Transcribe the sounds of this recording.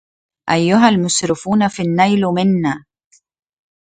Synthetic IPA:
ʔajːʊɦalmʊsɾɪfuːnafinːajlmɪnːaː

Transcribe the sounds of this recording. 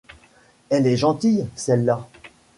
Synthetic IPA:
ɛlɛʒɑ̃t̪ijsɛlːa

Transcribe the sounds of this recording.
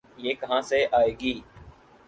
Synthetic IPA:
jeːkəɦãːseʔaːeːɡiː

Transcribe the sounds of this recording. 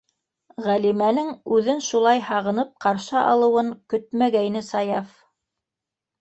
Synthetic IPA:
ʁælimænɘŋʉðɘnʃulˠɑjhɑʁɤ̆nɤp̚qɑɾʃɤʔɑ̰lˠɤ̆wɤŋkɵt̪̚mæɡæjnɘsɑjɑf

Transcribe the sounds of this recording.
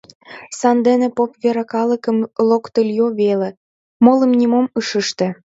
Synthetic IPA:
sɑnd̪enĕpopβeɾɑkɑləkə̆mlokt̪əlʲjoβelĕ | molə̆mnʲimomɯʃəʃt̪ĕ

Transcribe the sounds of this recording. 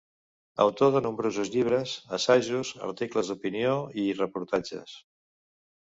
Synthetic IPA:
ə̰wt̪oðənumbɾozuzʎiβ̞ɾəzəsaʒuzə̰ɾt̪ikləzd̪upinioirəpuɾt̪ad͡ʒə̰s

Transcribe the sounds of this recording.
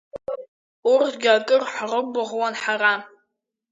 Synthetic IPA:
ʊrtʰɡʲakʼɨrħrəbʊʁwɔnħara

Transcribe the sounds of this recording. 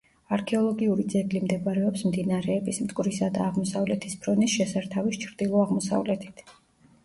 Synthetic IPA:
aɾkʰɛɔlˠɔɡiuɾid̪zɛɡlimd̪ɛbaɾɛɔpsmd̪inaɾɛːbismt̪ʼkʼvɾisad̪aːʁmɔsavlɛt̪ʰispʰɾɔnisʃɛsaɾt̪ʰavist͡ʃʰɾd̪̥ilˠɔaʁmɔsa̰vlɛt̪ʰi̥t̪ʰ

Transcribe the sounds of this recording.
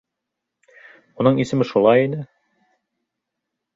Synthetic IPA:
munɤɴisɘ̆mɘʃulˠɑjinɘ

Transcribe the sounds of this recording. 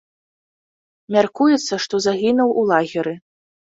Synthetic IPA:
mʲarkujɛt̪sːɐʂt̪ɔzaɣʲinuwʔulˠaɣʲiɾɨ

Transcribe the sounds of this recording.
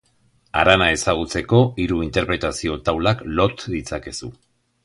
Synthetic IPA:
a̰ɾanae̞saɣ̞ut͡se̞ko̞iɾuint̪e̞ɾpɾe̞t̪asio̞t̪awlaklo̞t̪ðit͡sake̞su

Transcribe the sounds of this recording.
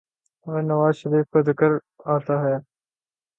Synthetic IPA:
ɐnɐʋaːzʃɐɾiːfkɐd̪ɪkəɾ | aːt̪aɦɛː

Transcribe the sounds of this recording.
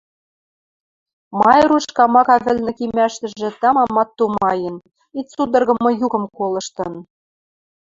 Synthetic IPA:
mɑjɾuʃkɑmɑkɑβɘ̆lnɘ̆kimæʃt̪ɘ̆ʒʒɘ̆t̪ɑmɑmːɑt̪ːumɑjɤ̆n | it̪sud̪ɤ̆rɣɤ̆mɤ̆jukɤ̆mkolɤ̆ʃt̪ɤ̆n

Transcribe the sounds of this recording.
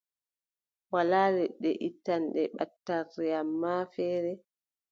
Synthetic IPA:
walaːlɛɗɛ̰ʔitːanɗɛɓatːarːɛamːaːfɛːɾɛ

